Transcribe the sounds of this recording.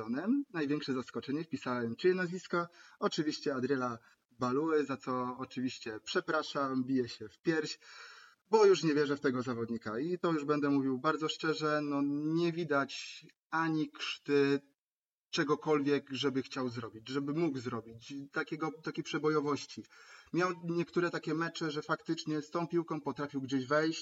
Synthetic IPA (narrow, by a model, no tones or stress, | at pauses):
ɔnɛmnajvʲjɛŋkʂɛzaskɔt͡ʂɛɲɛfpʲisawɛmt͡ʂɘjɛnazvʲiskaɔt͡ʂɘvʲiɕt͡ɕɛad̪ɾʲjɛla | balujɛzat̪sɔːt͡ʂɘvʲiɕt͡ɕɛpʂɛpɾaʂambʲijɛɕɛfpʲjɛɾɕ | bɔjuʂɲɛvʲjɛʐɛft̪ɛɡɔzavɔd̪ɲikait̪ɔjuʐbɛnd̪ɛmuvʲiwbaɾd̪zɔʂt͡ʂɛʐɛnɔɲɛvʲid̪at͡ɕ | aɲikʂt̪ɘ | t͡ʂɛɡɔkɔlvʲjɛkʐɛbɘxt͡ɕawzɾɔbʲid͡ʑʐɛbɘmuɡzɾɔbʲit͡ɕt̪akʲɛɡɔt̪akʲepʂɛbɔjɔvɔɕt͡ɕimʲjawɲɛkt̪uɾɛt̪akʲɛmɛt͡ʂɘʐɛfakt̪ɘt͡ʂɲɛst̪ɔ̃w̃pʲiwkɔ̃w̃pɔt̪ɾafʲiwɡd͡ʑeʑvɛjɕ